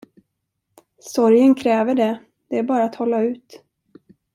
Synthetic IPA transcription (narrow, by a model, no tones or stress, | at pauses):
sɔɾjənkʰɾɛːvəɖɛ | d̪̥ɛæɾbɑːɾaːt̪hɔlːaʉ̟ːt̪